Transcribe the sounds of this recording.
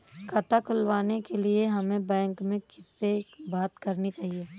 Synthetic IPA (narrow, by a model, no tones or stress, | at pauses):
kʰɐt̪ʰakʰʊlʋaːnekelieɦɐmẽbɛ̃ːŋkmẽkɪsːebaːt̪kɐɾnit͡ʃaːɦieː